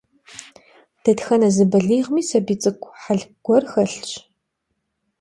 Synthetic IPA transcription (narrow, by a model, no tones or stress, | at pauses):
d̥ɐtxɐnɐzɨbɐɮiːʁmiːsɐbiːt͡sʼɨkʷʰʼħaɮɡ̥ʷɔrxɐɬt͡ʃʼ